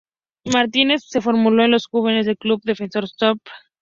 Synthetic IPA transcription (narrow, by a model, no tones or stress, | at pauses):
maɾt̪ine̞sːe̞fo̞ɾmuloenlosxuβenezðelklubd̪e̞fenso̞ɾst̪op